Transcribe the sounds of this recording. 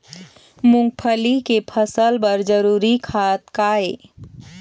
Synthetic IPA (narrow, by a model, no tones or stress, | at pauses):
mʊ̃ŋɡ̚pʰəlikepʰəsəlbɐɾd͡ʒəɾuːɾikʰaːt̪̚kaːeː